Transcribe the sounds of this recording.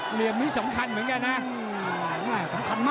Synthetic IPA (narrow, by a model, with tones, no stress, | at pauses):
li˨˩əmni˦˥sa˩˦mkʰa˧nmɯ˩˦ənka˧nːa˦˥˧ | maː˥˧˩sa˨˩˦mkʰa˧nmaː˦˥